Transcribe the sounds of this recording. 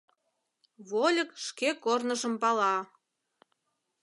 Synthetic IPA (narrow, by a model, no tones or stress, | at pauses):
βolʲəkʃkekornəʒə̆mpɑlɑ